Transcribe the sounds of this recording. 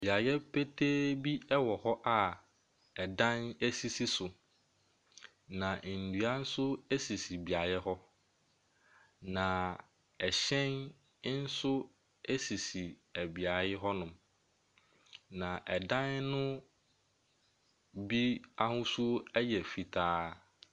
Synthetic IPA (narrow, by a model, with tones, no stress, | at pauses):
bi˨a˨jɛ˦pʰe˦tʰeː˦bi˦ɛ˦wɔ˨hɔ˦ʔa˨ | ɛ˨dã˦ne˦si˦si˦sʊ˨ | nã˨n̩˨du˨a˦n̩˦sʊ˦e˦si˨si˨bi˨a˨jɛ˦ɦɔ˦ | nã˨ | ɛ˨ɕɛ̃˦n˦ | n̩˦sʊ˦ | e˦si˨si˨ | æ˨bi˨a˨jɛ˦ɦɔ˦nʊ̃˨m | nã˨ʔɛ˨dã˦nːʊ̃˦ | bi˦a˦hʊ̃˦su˦ɛ˦jɛ˨fi˨tʰaː˦